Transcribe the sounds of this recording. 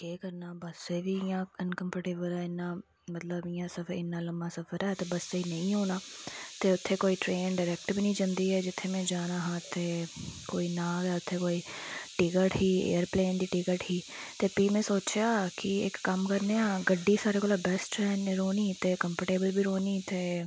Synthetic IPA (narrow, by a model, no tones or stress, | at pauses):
eːkəɾnaːbəseːʋiːɪjãːənkəmpəʈeːbəlɛːɪnːãː | mət̪ləbɪjãːsəpʰɪnːaːləmaːsəpʰəɾɛːt̪eːbəseiːnəĩːɦoːnaːt̪eːʊt̪ʰːeːkoːiːʈɾeːnɖəɾɛːkʈbinĩːd͡ʒənd̪iːɛːd͡ʒɪt̪ʰːeːmɛ̃ːd͡ʒaːnaːɦãːt̪eːkoːiːnãːɡɛːʊt̪ʰːeːkoːiːʈɪkəʈɦiːḛːəɾpleːnd̪iːʈɪkəʈɦiː | t̪eːpiːmɛ̃ːsoːt͡ʃjaːkɪɪ̰kːəmkəɾneːãːɡəɖːiːsaːɾeːkoːlaːbɛsʈɛːnɾoːniːt̪eːkəmpəʈeːbəlbʱiːɾoːniːt̪eː